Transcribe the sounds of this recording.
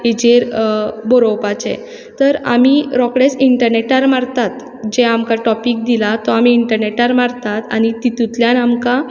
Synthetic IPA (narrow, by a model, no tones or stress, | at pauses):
id͡ʑeɾbɔɾowpat͡ɕḛ | t̪əɾa̰miɾɔkɽesiɳʈəɾneʈaɾmaɾt̪at̪ | d͡ʑeamkaʈɔpik̚d̪ilat̪ɔamiːɳʈəɾneʈaɾmaɾt̪at̪a̰ñit̪it̪ut̪ljanamka